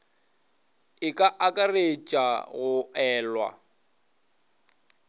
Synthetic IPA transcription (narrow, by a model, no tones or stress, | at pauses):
ɪkʼaʔakʼaret͡ʃʼaɣʊɛːlwa̰